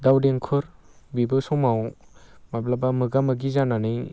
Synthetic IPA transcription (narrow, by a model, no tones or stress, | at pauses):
dawdeŋkʰɯɾ | bibɯsɔmaw | mablabamɯɡamɯɡizanani